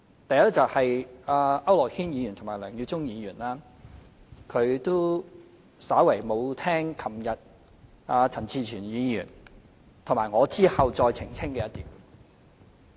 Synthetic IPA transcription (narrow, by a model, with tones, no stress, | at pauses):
t̪ɐ˨jɐ˥t͡sɐ˨whɐ˨jaː˨˧ʔɐ˥wlɔː˨k̚hiː˥njiː˨˧jyː˨˩nt̪ʰʊ˨˩maː˨˩jlœː˨˩ŋjy˧t͡sʊ˥ŋjiː˨˧jyː˨˩naː˥ | kʰɵ˨˧ɥt̪o˥ | saː˨˥wɐ˨˩jmo˨˧wt̪ʰɛː˥ŋkʰɐ˨˩mjɐ˨t̚ | aː˧t͡sʰɐ˨˩nt͡sʰiː˧t͡ʃʰyː˨˩njiː˨˧jyː˨˩n | t̪ʰʊ˨˩ŋmaː˨˩jŋɔː˨˧t͡siː˥hɐ˨wt͡sɔː˧jt͡sʰɪ˨˩ŋt͡sʰɪ˥ŋkɛː˧jɐ˥t̪iː˨w